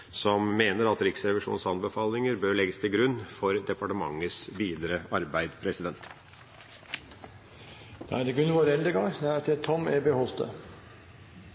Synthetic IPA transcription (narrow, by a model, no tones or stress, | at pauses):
sɔmmeːnəɾɑt̪ɾɪksɾɛʋɪʂṵːnsɑnbəfɑːlɪŋəɾbøːɭɛɡəst̪ʰɪlɡɾʉnːfɔɾd̪ɛpɑʈəmɑ̰ŋːəsʋiːd̪əɾəɑɾbæɪd̪pʰɾɛsɪd̪ɛnt̪ | d̪̥ɑ̰æd̪ɛɡʉnːʋoːɾɛld̪əɡɑd̪ɛæɾt̪ʰɪt̪ʰɔmɛbehɔlt̪ə̰